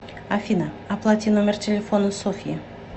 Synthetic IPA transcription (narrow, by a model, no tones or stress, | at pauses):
afina | aplˠat̪t̪ʲinumʲert̪ʰʲelʲefonunsofije